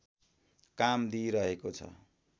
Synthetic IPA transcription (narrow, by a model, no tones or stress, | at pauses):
kamd̪iɾʌɦekot͡sʰʌ̰